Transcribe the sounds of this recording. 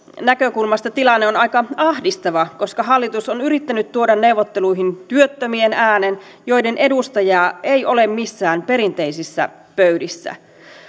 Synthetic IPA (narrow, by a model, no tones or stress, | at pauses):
nækøkulmɑst̪ɑt̪ilɑnːeonɑikɑɑhdist̪ɑʋɑko̞skɑɦɑlːit̪usonyɾit̪ːænyt̪ːuodɑnne̞wʋot̪ːe̞luiɦint̪yøt̪ːømienæːnen | jo̞jde̞nʔe̞dust̪ɑjɑːʔe̞jʔo̞le̞mmisːæːnpe̞ɾint̪e̞isisːæ̰ | pøydisːæ̰